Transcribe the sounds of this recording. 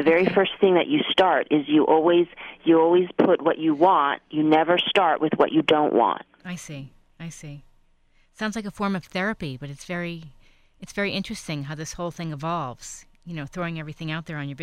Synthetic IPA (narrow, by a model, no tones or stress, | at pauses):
ðɨvɛɹifɜ˞sθɪ̃ŋðɨ̰t͡ʃɨstɑɹɾɪzjɨʔɔlˠwiz̥jɨɔlˠwiz̥pʰʊt̚wʌt͡ʃɨwɑ̃njɨnɛvə˞stɑɹʔwʔɨðwʌ̰t͡ʃɨdõʊ̃nʔwɑ̰̃nt̚aɪsi | aɪsi | tsãʊ̃nzlaɪkəfɔɹmʌv̥θɛɹɨpib̥ʌɾɨtsv̥ɛɹi | ɨtsv̥ɛɹiʔɪ̃nt͡ʃɹ̥ɨstɪ̃ŋɦaʊðɪshoʊlˠθɪ̃ŋɨvɑlˠvz̥jɨnoʊθɹoʊɪ̃ŋɛvɹiθɪ̃ŋaʊt̪̚ðə˞ɨ̃njə˞b